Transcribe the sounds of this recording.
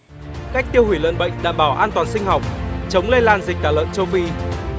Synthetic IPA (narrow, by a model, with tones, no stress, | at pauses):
ka˦˥jk̚t̪i˧əwhwi˧˩lə̰ː˧˨nɓə̰˧˨jŋ̟ɗa̰ː˧˨mɓaː˧˩wʔaː˧nt̪waː˨˩nsï˧ŋ̟ha˨˩wk͡p̚t͡ɕə˨˦wŋ͡mle˧nlaː˨˩nzi˨˩k̟̚t̪ʰaː˧˩lə̰ː˧˨nt͡ɕə˧wfi˧